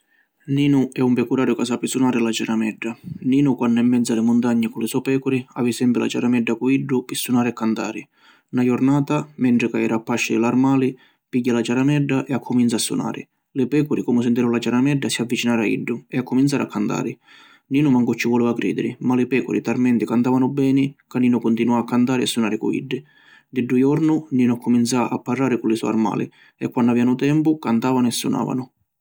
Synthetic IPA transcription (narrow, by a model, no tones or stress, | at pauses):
niːnʊɛumpɛkuɾaːɾjʊkas̬apːisunaːɾɪlat͡ʃaɾamɛɖːaniːnʊkwanːʊɛmːɛd̪zalɪmʊnt̪aɲːɪkʊlɪsɔpɛːkʊɾia̰ːvisɛmpɾɪla̰t͡ʃaɾamɛɖːakuiɖːʊpisːunaːɾɪakːant̪a̰ːɾɪ | najʊɾnaːt̪amɛɳʈ̪ɾɪkaɛːɾapːaʃːɪd̪ɪlarmaːli | piɟːalat͡ʃaɾamɛɖːaʔɛakʰːʊmint̪sasːṵna̰ːɾɪ̰ | lɪpɛːkʊɾɪkɔmʊs̬ɪnt̪iɾʊlat͡ʃaɾamɛɖːasiavːit͡ʃinaːɾaḭɖːʊɛakːʊmint̪saːɾɪakʰːant̪a̰ːɾɪ | niːnʊmaŋkʊt͡ʃːivɔleːvakɾḭːd̪ɪɾɪmalɪpɛːkʊɾit̪armɛnt̪ɪkant̪aːvanʊbɛːnɪkanːiːnʊkʊnt̪inuaakʰːant̪aːɾɪasːunaːɾɪkuḭɖːɪ | d̪ɪɖːujɔɾnʊniːnʊakːʊmint̪saʔapːarːaːɾɪkʊlɪsṵa̰rma̰ːlɪ̰ | ɛkːwanːʊavɛːanʊt̪ɛmpʊkant̪aːvanʊɛsːṵna̰ːva̰nʊ